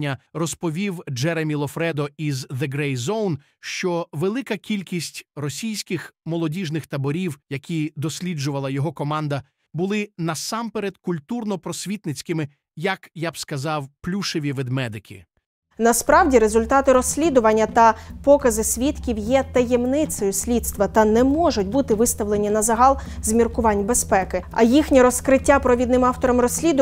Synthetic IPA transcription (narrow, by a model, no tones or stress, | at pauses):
ɐrɔspɔʋʲiwd͡ʒɛɾemʲilˠɔfɾɛd̪ɔizðeɡɾɛjzɔwn | ʃt͡ʃɔʋelˠɪkɐkʲilʲkʲisʲtʲrɔsʲijsʲkɪxmɔlˠɔdʲiʒnɪxt̪ɐbɔɾʲiwjɐkʲid̪ɔsʲlʲid͡ʒʊʋɐlˠɐjɔɦɔkɔmɑnd̪ɐ | bʊlˠɪnɐsɑmpeɾed̪̚kʊlʲt̪urnɔpɾɔsʲʋʲit̪nɪt͡sʲkɪmɪ | jɐkjabskɐzɑwplʲuʃeʋʲiʋɪd̪mɛd̪ɪkʲḭ | nɐspɾɑwdʲiɾe̞zʊlʲt̪ɑt̪ɪɾɔsʲlʲid̪ʊʋɐnʲːɐt̪ɐpɔkɐzɪsʲʋʲit̪kʲiwjɛt̪ɐjɛmnɪt̪sɔjʊsʲlʲit̪st̪ʋɐt̪ɐnɛmɔʒʊtʲbut̪ɪʋɪst̪ɐʋlˠe̞nʲinɐzɐɦɑlˠzmʲirkʊʋɑnʲbespɛkɪɐ̰jixnʲiɾɔskɾɪtʲːapɾɔʋʲid̪nɪmɑwt̪ɔɾɔmrɔsʲlʲid̪ʊ